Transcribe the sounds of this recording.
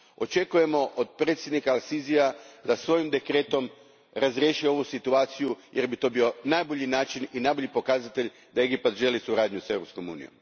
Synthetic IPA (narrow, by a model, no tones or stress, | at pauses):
o̞̰t͡ʃe̞kuje̞mo̞ʔod̪̚pɾet̪sjed̪nikaalˠsiziad̪asʋo̞jimd̪e̞kɾe̞ːt̪o̞m | ɾazɾjeʃieo̞ʋusit̪uaːt̪sijujʔe̞ɾbit̪o̞ːbio̞najboʎinaːt͡ʃininajbo̞ʎipo̞kaːzat̪e̞ʎ | d̪ae̞ɡipat̪ʒe̞lisuɾaːd̪ɲuse̞vɾo̞psko̞mṵːnḭjo̞̰m